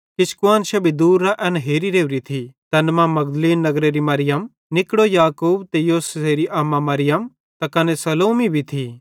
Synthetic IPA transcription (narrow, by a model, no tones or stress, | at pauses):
kɪskʊaːnʃɐbʱid̪uːɾːaʔɛnɦeːɾiɾeːʋɾit̪ʰit̪ɐnmamɐɡd̪liːnːɐɡɾeɾimɐɾɪjəm | nɪkɽojaːkuːbt̪ejoːsseɾiʔaːmːamɐɾɪjɐm | t̪ɐkɐnesɐloːmibʱit̪ʰi